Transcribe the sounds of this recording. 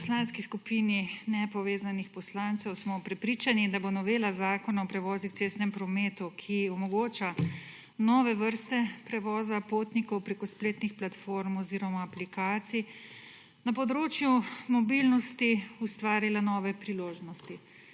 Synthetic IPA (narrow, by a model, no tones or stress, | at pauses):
slanskiskupiːninɛpɔʋeːzanixpɔslant̪sɛwsmɔpɾɛpɾiːt͡ʃanid̪abonɔʋeːlazaːkɔnaɔpɾɛʋɔːzixt̪seːst̪nɛmpɾɔmeːt̪ukʰiɔmɔɡoːt͡ʃa | nɔʋɛʋəɾst̪ɛpɾɛʋɔːzapoːt̪nikɔwpɾekɔspleːt̪nixplat̪foɾmɔziːɾɔmaːplikaːt̪si | napɔd̪ɾoːt͡ʃjumɔbilnɔst̪iust̪ʋaːɾilanɔːʋɛpɾiloːʒnɔst̪i